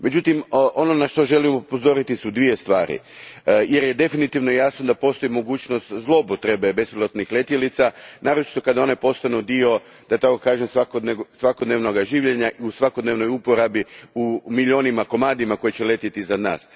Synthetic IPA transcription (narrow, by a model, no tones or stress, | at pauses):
me̞d͡ʑut̪imʔo̞no̞naʃt̪o̞ʒe̞limopozo̞ɾit̪isud̪ʋije̞st̪ʋaːɾḭ | je̞ɾje̞d̪e̞finit̪iʋnojaːsno̞d̪apo̞st̪o̞imo̞ɡuːt͡ʃno̞st̪zlˠo̞pot̪ɾe̞be̞be̞spilˠot̪nixle̞t̪jelit̪sanaːɾo̞t͡ʃi̥t̪o̞kad̪ao̞nepo̞st̪anud̪io̞ | d̪̥at̪ako̞kaːʒemsʋakod̪nesʋakod̪neʋno̞ɡaʒiːʋʎe̞ɲaʔiusʋako̞d̪neʋno̞jupo̞ɾabiumiʎo̞ːnimako̞maːd̪imako̞jit͡ɕele̞t̪it̪iizad̪na̰ːs